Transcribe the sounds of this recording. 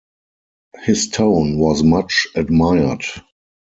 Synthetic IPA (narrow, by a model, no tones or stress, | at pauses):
hɪstʰõʊ̃nwɔsmat͡ʃədmaɪə˞d